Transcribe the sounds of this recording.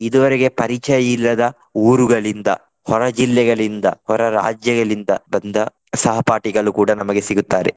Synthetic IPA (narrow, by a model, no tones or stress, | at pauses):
id̪uʋɐɾeɡe̞pɐɾit͡ʃɐjɐilːɐd̪ɐ | uːɾuɡɐɭind̪ɐ̰ | hɔɾɐd͡ʒilːɛɡɐɭind̪ɐhɔɾɐɾa̰ːd͡ʒjɐɡɐɭind̪ɐbɐnd̪ɐ | sɐɦɐpaːʈiɡɐɭukuːɽɐnɐmɐɡe̞siɡut̪ːaːɾe